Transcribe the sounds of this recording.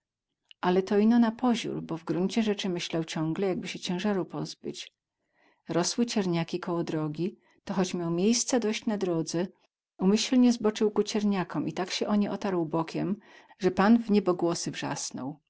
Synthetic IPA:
ʔalɛt̪ɔinɔnapɔʑṵɾbɔvɡɾuɲt͡ɕɛʐɛt͡ʂɘmɘɕlawt͡ɕɔ̃ŋɡlɛjaɡ̚bɘɕɛt͡ɕɛ̃w̃ʐaɾuwpɔzbɘ̰t͡ɕ | ɾɔswɘt͡ɕɛɾɲakʲikɔwɔd̪ɾɔɡʲi | t̪ɔxɔt͡ɕmʲjawmʲjejst̪sɛd̪ɔɕt͡ɕnad̪ɾɔd̪zɛ | umɘɕlɲɛzbɔt͡ʂɘwkut͡ɕɛɾɲakɔmʔit̪akɕɛʔɔɲɛɔt̪aɾwbɔkʲɛm | ʐɛpanvɲɛbɔɡwɔsɘvʐa̰snɔ̰w

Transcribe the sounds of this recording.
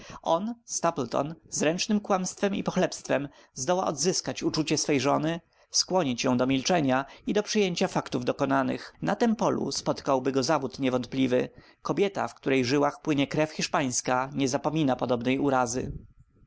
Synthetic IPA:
ɔnst̪aplt̪ɔ̰nzɾɛnt͡ʂnɘmkwamst̪fɛmḭpɔxlɛpst̪fɛm | zd̪ɔwa̰ʔɔ̰d̪zɘskat͡ɕut͡ʂut͡ɕɛsfɛjʐɔnɘ | skwɔɲit͡ɕjɔ̃w̃d̪ɔmʲilt͡ʂɛɲaid̪ɔpʂɘjeɲt͡ɕafakt̪uvd̪ɔkɔnanɘ̰xnat̪ɛmpɔlṵspɔt̪kawbɘɡɔzavut̪ɲɛvɔnt̪̚plʲivɘ | kɔbʲjɛt̪a̰fkt̪uɾɛjʐɘwaxpwɘɲɛkɾɛfxʲiʂpaj̃skaɲɛzapɔmʲinapɔd̪ɔbnɛjuɾazɘ̰

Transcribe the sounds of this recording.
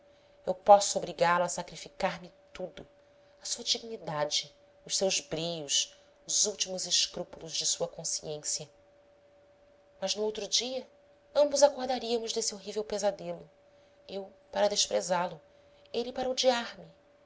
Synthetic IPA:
ewpɔsʊobɾiɡaɾlɐsakɾifikaɾmɪt̪ud̪ʊ | ɐsuɐd͡ʒiɡnid̪ad͡ʒɪ | ʊʃsewzbɾijʊʃ | ʊzuwt͡ʃimʊzɪʃkɾupulʊzd͡ʒɪsuɐkõsḭẽsjɐ | mɐznʊowt̪ɾud͡ʒiɐ | ɐ̃mbʊzakoɾd̪aɾiɐmʊʒd̪esioɦivewpezad̪elʊ | ewpaɾɐd̪eʃpɾezalʊ | elipaɾɐod͡ʒiaɾmɪ

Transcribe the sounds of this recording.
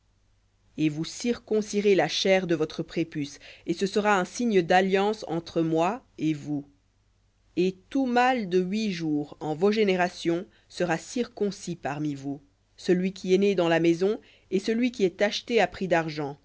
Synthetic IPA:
evusiʁkɔ̃siʁelaʃɛʁd̪əvɔt̪χəpχepysesəsəʁaɛ̃siɲd̪aljɑ̃sɑ̰̃t̪χəmwaevu | et̪umald̪əɥiʒuːʁɑ̃voʒeneʁasjɔ̃ | səʁasiʁkɔ̃sipaʁmivu | səlɥik̬ʲiɛned̪ɑ̃lamezɔ̃ | esəlɥikʲiɛt̪aʃt̪eapχid̪aʁʒɑ̃

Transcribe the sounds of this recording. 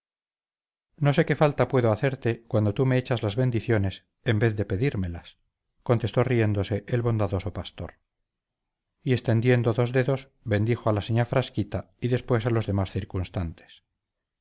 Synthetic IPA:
no̞s̬e̞ke̞falt̪apwe̞ðoaθe̞ɾt̪e̞kwand̪ot̪umeet͡ʃazlazβe̞nd̪iθjo̞ne̞s | e̞mbeθðe̞pe̞ðiɾme̞las | kont̪e̞st̪o̞rie̞nd̪o̞se̞ʔelβo̞nd̪aðo̞so̞past̪oɾ | ie̞st̪e̞nd̪je̞nd̪o̞ðo̞zðeðo̞s | βe̞nd̪ixoalaseɲafɾaskit̪a | iðe̞spwe̞salozðe̞masθiɾkunst̪ant̪e̥s

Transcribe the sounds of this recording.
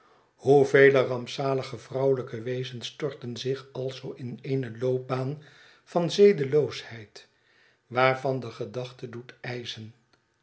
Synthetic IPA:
huvejlərɑmpsaːləχəvrʌwləkəʋejzənstɔɹtənzɪχɑlˠzowʔɪneɪnəlowp̚baːn | fɑnzejdəlowshɛjt | ʋaːrvɑndəχədɑχtədutɛjzən

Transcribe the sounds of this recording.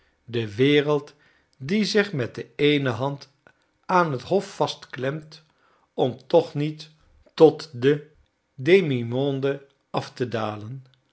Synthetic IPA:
dəʋɪːrəlˠt | dizɪχmɛt̚dəejnəɦɑnt | aːnɦətɦɔfːɑstklɛmt | ɔmtɔχnit | tɔtdə | dejmimɔndə | ɑftədaːlən

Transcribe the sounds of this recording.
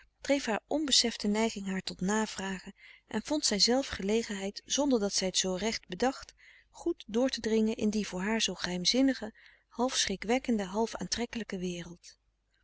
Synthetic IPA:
d̥rejfɦaːɹɔnbəsɛftənɛjχɪŋɦaːɹtɔtnaːv̥raːχəʔɛ̰nvɔntsɛjzɛlˠfχəlejχənɦɛjtz̥ɔndəɹdɑtsɛjətsowrɛχt̚bədɑχt | χutdʊːɹtədrɪŋənʔɪndivʊːɹɦaːɹzowχəɦɛjmzɪnəχə | hɑlˠfsχrɪkʋɛkəndəɦɑlˠfa̰ːntrɛkələkəʋɪːrəlˠt

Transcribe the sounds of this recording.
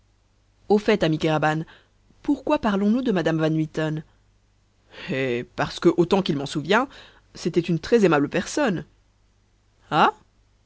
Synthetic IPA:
ofɛt̪amikaʁaban | puʁkwapaʁlɔ̃nud̪əmad̪amvanwit̪ɔn | ɛpaʁsə̥kəʔot̪ɑ̃kilmɑ̃suvjɛ̃ | set̪ɛt̪ynt̪χɛzemabləpɛʁsɔn | a

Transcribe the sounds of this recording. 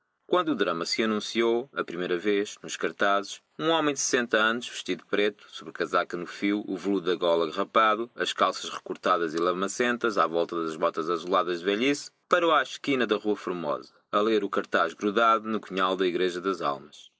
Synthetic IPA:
kwɐ̃nd̪uːðɾɐmɐsɨɐnũsioɐpɾimejɾɐveʒnuʃkɐɾt̪azɨʃ | ũɔmɐ̃j̃d̪sɨ̥sẽnt̪ɐɐnuʃvɨʃt̪iðupɾet̪u̥soβɾkɐzakɐnufiwuvlˠuðːɐɣɔlˠɐɣʁɐpaðuɐʃkalˠsɐʃʁɨkuɾt̪aðɐzilˠɐɾmɐsẽnt̪ɐzavɔlˠt̪ɐðɐʒβɔt̪ɐzɐzulˠaðɐʒðvɛʎis | pɐɾoaʃkinɐðɐʁuɐfuɾmɔ̰zɐɐlˠeɾukɐɾt̪aʒɣɾuðaðunukuɲalˠd̪ɐiɣɾɛʒɐðɐza̰lˠmɐʃ

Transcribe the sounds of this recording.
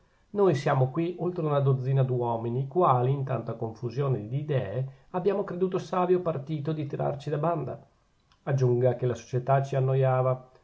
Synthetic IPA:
nojsjaːmokwiʔolt̪ɾeunad̪od̪zːiːnad̪uɔminikwaːliːnt̪a̰nt̪akoɱfuzjoːned̪iːd̪ɛːeabːjaːmokɾed̪uːt̪osaːvjopart̪iːt̪od̪it̪iɾʔa̰rt͡ʃid̪aband̪a̰ | ad͡ʒːuŋɡak̟elaso̥t͡ʃet̪at͡ʃianːojaːva

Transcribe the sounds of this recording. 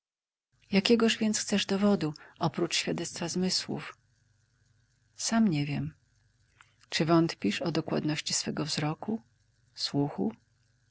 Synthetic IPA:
jakʲɛɡɔʐvʲjɛnt̪sxt̪sɛʐd̪ɔvɔd̪uʔɔpɾut͡ʂɕfʲjad̪ɛt̪st̪fazmɘswṵf | samɲɛvʲjɛm | t͡ʂɘvɔnt̪pʲiʂɔd̪ɔkwa̰d̪nɔɕt͡ɕisfɛɡɔvzɾɔku | swuxṵ

